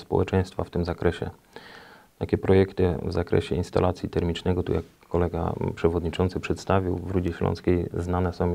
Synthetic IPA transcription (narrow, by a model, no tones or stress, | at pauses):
spɔ̰wɛ̰t͡ʂɛj̃st̪faft̪ɘmzakɾɛɕɛ̰ | t̪akʲɛpɾɔjɛkt̪ɘvzakɾɛ̰ɕɛinst̪a̰lat̪sʲjit̪ɛɾmʲit͡ʂnɛɡɔt̪ṵjakːɔlɛɡa̰pʂɛvɔd̪ɲit͡ʂɔnt̪sɘpʂɛt̪st̪avʲiwvɾud͡ʑɛɕlɔ̰nskʲejznanɛsɔ̃w̃